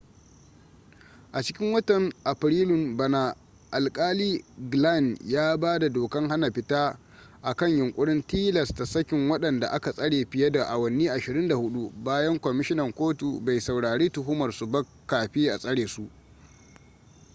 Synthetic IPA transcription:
ʔa˨t͡ʃɪ˦kʲɪ˦ŋwɐ˦tɐ˨ŋʔa˨ɸɾiː˦lʊ˨mbɐ˨na˦ | ʔa˨lkʼaː˦liː˦ɡla˦˨njaː˦baː˦da˨doː˨kɐ˦ŋɦa˦na˨ɸɪ˦taː˦ | ʔa˨kɐ˦˨ɲjʊ˨ŋkʷʼʊ˦ɽɪ˦ntiː˦lɐ˨sta˨sɐ˦kʲɪ˨ŋwɐ˦ɗɐ˨nda̰˨ʔa˦ka˨sʼɐ˦ɽeː˨ɸɪ˨jɐ˦da˨ʔa˨wɐ˨nːiː˦ʔa˨ʃɪ˨ɾɪ˦nda˨hʊ˦ɗu˦baː˦jɐ˦ŋkʷɔ˨mɪ˦ʃɪ˦nɐ˨ŋkʷoː˦tu˨ba˨jsa˨wɽaː˨ɽeː˦tʊ˨ɦʊ˦mɐ˨rsʊ˨bɐ˦kːaː˨ɸi˦ʔa˨sʼɐ˦ɽeː˨su˦ʔ

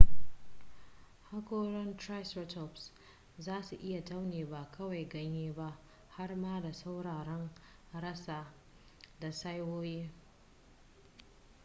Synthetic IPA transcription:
ha˦kʷoː˦ɽɐ˦ntɾa˦jsɾɛ˦tɔ˨bs | zaː˦su˨ʔɪ˦ja˨ta˦wneː˨ba˨kʰɐ˦wa˨jɡɐ˦ɲjeː˦ba˦ʔ | ha˦rmaː˦da˨sa˦wɽaː˨ɾɐ˦ŋɾɐ˦saː˨ | da˨sa˦jwoː˦jeː˦

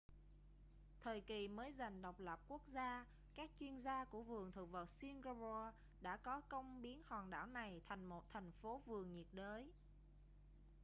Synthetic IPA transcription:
t̪ʰəː˨˩jki˨˩məː˨˦jza˨˩jŋ̟ɗa˨˩wk͡p̚lə˨˩p̚ku˦˥ək̚zaː˧ | kaː˦˥k̚t͡ɕwi˧ənzaː˧ku˧˩əvɨ˨˩əŋt̪ʰɨ˨˩wvəː˨˩t̚si˧nɣa˧zɔ˧ | ɗa̰ː˧˥kɔ˨˦kə˧wŋ͡mɓi˨˦ənhwaː˨˩nɗa̰ː˧˩wna˨˩jt̪ʰa˨˩jŋ̟mo˨˩t̚t̪ʰa˨˩jŋ̟fo˨˦vɨ˨˩əŋɲi˨˩t̚ɗəː˨˦j

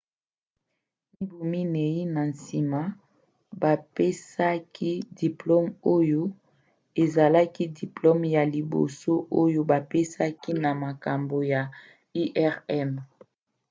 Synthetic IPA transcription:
mi˦bu˨mi˦ne˨ji˦na˨nsi˨ma˦ | ba˨pe˦sa˦kʰi˦di˨plo˦mo˦jo˦ | e˨za˨la˦ki˦di˨plo˦mja˨li˨bo̰˨so˦ʔo˦jo˦ba˨pe˦sa˦ki˦na˨ma˨ka˨mbo˨ja˨ | i˦ʔɛ˦ʁɛ˦m

